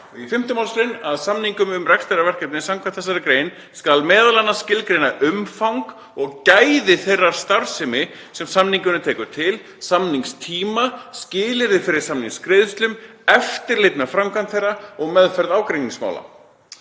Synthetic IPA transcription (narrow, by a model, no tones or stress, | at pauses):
ifɪm̥t̪ʏmawlsɾejnaðsamniŋkʏmʏmrɛkst̪ajɾavɛr̥kɛpnɪsamkʰvanθɛs̬ːaɾɪkɾeːjn | skalmɛːðalanːascɪlkɾejnaʔʏmfawŋk | ɔɣcajðɪθejrːaɾ̥st̪aɾ̥sɪmɪ | sɛmsamniŋkʏnʏt̪ʰɛːkʏt̪ʰɪl | samniŋst̪ʰiːmascɪːlɪɾðɪfɪɾɪɾ̥samniŋskɾeðʏst̪lʏm | ɛft̪ɪɾlejt̪mɛðfɾamkʰant̪θejrːaɔɣmɛðfɛɾðaːwkɾenĩŋsma̰wla̰